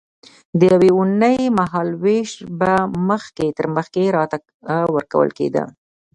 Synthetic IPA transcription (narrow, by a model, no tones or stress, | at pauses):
d̪əjaweunəjmaɦɑlweʃbaməxket̪əɾməxkeɾɑt̪a | wəɾka̰wə̰lkḛd̪a̰